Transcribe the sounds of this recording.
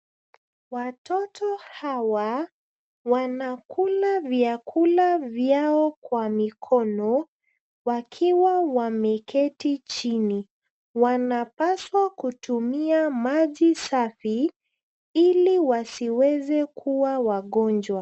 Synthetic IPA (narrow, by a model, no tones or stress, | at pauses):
watʰɔtʰɔhawa | wanakʰulavjakʰulavjaɔkwamikʰɔnɔ | wakʰiwawamɛkʰɛtit͡ʃini | wanapaswakutumiamaʄisafi | iliwasiwɛzɛkʰuwawaɠɔnd͡ʒwa